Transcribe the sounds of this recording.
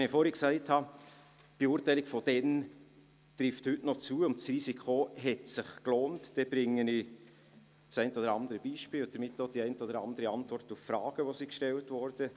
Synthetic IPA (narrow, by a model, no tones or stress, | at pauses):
nifoɾhɛksæɪthɑ | b̥euːɾtæɪlɪkfɔd̥ɛn | tɾɪfthʏtnɔt͡suːəʊntsriːsikʰoɦɛtsɪχkloːntd̥ɛb̥ɾɪŋːəni | sæɪntəɔdəɾɑnd̪əɾəb̥iːʃpiːlʊd̥əɾmɪtːod̥iɛɪntəɔdəɾɑ̰ndəɾəɑntvɔɾrtuffɾɑːɡ̥əʋosikʃtɛltvɔɾd̥ə